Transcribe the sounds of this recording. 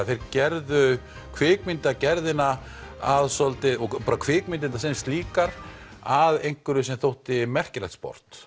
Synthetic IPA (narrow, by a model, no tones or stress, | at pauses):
θejɾcɛɾðʏ | kʰvɪːkmɪnt̪acɛɾðɪnaaðsɔlt̪ɪɔɣpɔːɾakʰvɪːkmɪnt̪̬ɪnt̪asɛnst̪liːkaɾaðejŋ̥kʏɾʏsɛmθowht̪ɪmɛr̥cɪlɛxt̪spɔ̰ɾ̥t̪